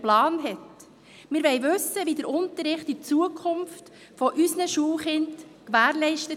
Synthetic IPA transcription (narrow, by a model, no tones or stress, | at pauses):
plɑːnɦɛt | mɪɾʋɛjʋɵsːəʋidəɾʊnt̪əɾːɪχtit͡suəkʰχʊmft | fɔʔysnəʃuːlχɪntkʋæːɾlɛɪʃtə